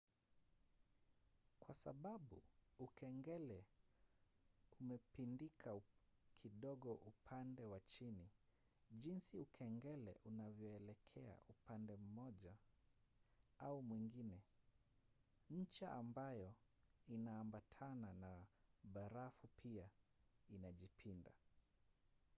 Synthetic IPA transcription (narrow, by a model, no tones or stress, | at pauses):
kwasaɓaɓuukʰɛŋɡɛlɛ | umɛpindikʰaukʰiɗɔɠɔʔupʰandɛwat͡ʃini | ʄinsiukʰɛŋɡɛlɛ̰ʔunavjɔɛlɛkʰɛa̰ʔupandɛm̩mɔʄa | aumwiŋɡinɛ | ɲ̩t͡ʃaʔambajɔ | inaːmbatʰananaɓaɾafupʰiainaʄipʰinda